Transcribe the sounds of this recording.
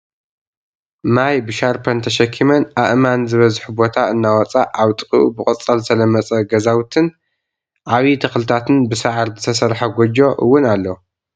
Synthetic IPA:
majbɨʃaɾpʰɐnt̪ʰɐʃɐkʰːimɐnʔaʔmanzɨβɐzħubo̞t̪ʰaɨnːawɔt͡sʼaʔaβt̪ʼɨkʼɨʔṵbɨkʼɨt͡sʼɐlɨt̪ʰɐlɐmɐt͡sʼɐɡɐzawt̪ʰɨn | ʕaβit̪ʰɐxlɨt̪ʰat̪ʰɨnbɨsaʕɾzɨt̪ʰɐsɐɾħɐɡʷod͡ʒo̞ʔɨ̰wːʊnalːo

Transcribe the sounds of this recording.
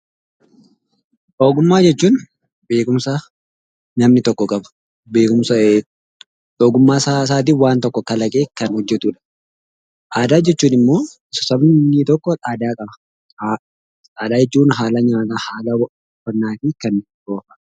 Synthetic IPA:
ʔoːɡʊmːaːd͡ʒɛt͡ʃːuːn | be̞ːkʼʊmsɐ | nɐmnɪt̪ɔkːɔkʼɐbɐ̥ | be̞ːkʼʊmsɐ | ᶑoːɡʊmːaːsas̬aːt̪̬iːwaːnt̪ɔkːɔkɐlɐkʼeːkɐnhɔd͡ʒːɛt̪uːᶑɐ̥ | ʔaːd̪aːd͡ʒɛt͡ʃːuːnɪmːo̞ː | sɔ̥sɐbɪt̪ɔkːɔᶑaːd̪aːkʼɐbɐ | aːd̪aːd͡ʒɛt͡ʃːuːnɦaːlɐɲaːt̪ahaːlɐ | fɐnːaːfikɐn | ɡoːfɐ

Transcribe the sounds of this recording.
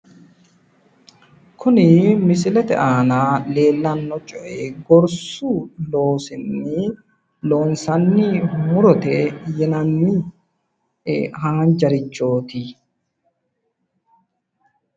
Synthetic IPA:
kʰʊnɪmɪs̬ɪlɛt̪ɛ̰ʔaːnaːle̞ːlːɐnːɔt͡ʃʼɔʔeːɡɔɾsuːlo̞ːsɪnːɪ | lo̞ːnsɐnːimʊɾɔt̪ɛjɛnɐnːiː | ɦaːnd͡ʒɐɾɪt͡ʃːo̞ːt̪i

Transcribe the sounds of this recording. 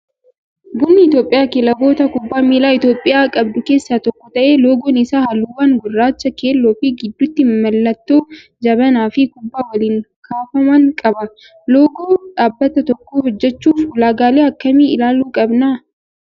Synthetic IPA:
ɡʊnːɪɪt̪jo̞ːpʼɪjaːkɛlɐɡo̞ːt̪ɐkʊbːaːmiːlaːɪt̪joːpʼːɪjaːkʼɐbd̪ʊke̞ːsːaːt̪ɔkːɔt̪ɐʔe̞ːloːɡɔnɪsaːhɐluːwɐŋɡʊrːaːt͡ʃːɐke̞ːlːoːfɪɡɪd̪ːʊt̪ːɪmɐlːɐt̪ːoː | d͡ʒɐbɐnaːfɪkʊbːaːwɐliːŋkʰaːfɐmɐŋkʼɐbɐ | lo̞ːɡoːᶑaːbːɐt̪ɐt̪ɔkːoːhɔd͡ʒːɛt͡ʃːuːfʊlaːɡaːleːɐkːɐmiɪlaːluːkʼɐbnaː

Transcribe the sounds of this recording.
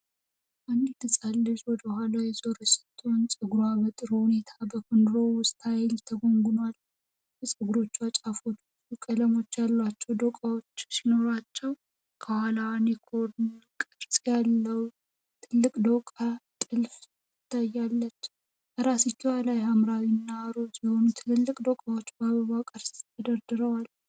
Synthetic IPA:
ʔand̪it̪ʰɨsʼalːɨʒwɔd̪əhʷalajɛzoɾɛsə̥t̪ʰːo̞nsʼɨɡɾuaβət̪ʼɨɾuhune̞t̪ʰabəkʰond̪ɾo̞wʊst̪hajlt̪ʰəɡo̞ŋɡʊnwal | bəsʼɨɡuɾo̞t͡ʃːat͡ʃʼafo̞t̪ː | ukʼələmo̞t͡ʃːjalːat͡ʃːɛwd̪okʼawo̞t͡ʃːsino̞ɾat͡ʃːɛw | kʰəhalawnekʰoɾnkʼɨɾsʼjalːəw | t̪ʰɨlːɨkʼd̪okʼat̪ʼɨlf | jɪɪt̪ʰːajːalːət͡ʃː | bəɾasit͡ʃːuwalajɦamɾawinːaɾo̞t̪jɛho̞nut̪ʰɨlɨlːɨkʼd̪okʼawo̞t͡ʃːbaβəβawkʼɨɾst̪ʰəd̪əɾd̪ɨɾəwal

